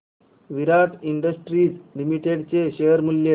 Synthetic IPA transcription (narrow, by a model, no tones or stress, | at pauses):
ʋiɾat̪iɳɖəsʈɾiːd͡zlimiʈeɽt͡seɕeəɾmulje